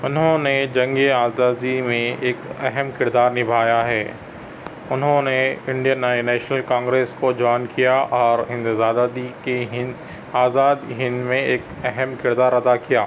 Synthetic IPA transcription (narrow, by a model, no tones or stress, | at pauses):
ʊnɦõned͡ʑɐ̃ŋɡeaːzaːzimẽɪkɛɦəmkɪɾd̪aːɾnɪbʱaːjaɦɛː | ʊnɦõneɪ̃ɳɖijənɛ̃ːnɛːʃnəlkãːŋɡɾeːskod͡ʑɔːɪnkijaʔɔːɾɦɪ̃nd̪zaːd̪ad̪ikeɦɪ | aːzaːd̪ɦɪ̃nd̪mẽɪk | ɛɦəmkɪɾd̪aːɾɐd̪akijaː